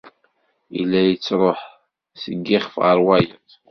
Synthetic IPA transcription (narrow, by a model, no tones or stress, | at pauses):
ilːæjət͡sːɾˤoħ | səɡːɪχfʁəɾwæjəθ